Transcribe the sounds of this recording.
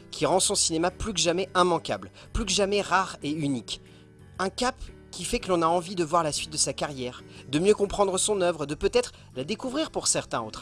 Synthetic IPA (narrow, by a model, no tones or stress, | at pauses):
kʲiʁɑ̃sɔ̃sinemaplykəʒamɛʔɛ̃mɑ̃ka̰bl | plykəʒamɛʁaʁeynik | ɛ̃kap | kʲifɛkəlɔ̃naɑ̃vid̪əvwaʁlasɥit̪̚d̪əsakaʁjɛːʁd̪əmjøkɔ̃pχɑ̃d̪ʁəsɔ̃nœvʁəd̪əpøt̪ɛt̪χ | lad̪ekuvʁiʁpuʁsɛʁt̪ɛ̃o̰t̪χ